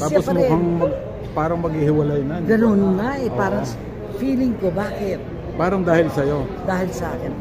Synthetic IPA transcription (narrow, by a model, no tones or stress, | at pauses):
t̪aːosmokɐŋmɐɡ | paːɾɐŋmɐɡ̚hɪhɪwɐlajnanɡɐnonnɐɛpaːɾɐŋs | fiːlɪŋkobaːkɪt̪̚ | paːɾɐŋd̪aːhɪlsɐjod̪aːhɪlsɐʔaːkɪn